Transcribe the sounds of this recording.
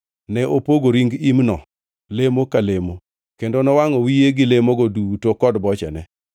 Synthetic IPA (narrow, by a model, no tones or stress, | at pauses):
nɛʔopoɡoɾiŋɡimnɔ | lemokalemo | kendonɔwaŋɔwijeɡɪlemoɡɔdutokɔdbɔt͡ʃɛ̰nɛ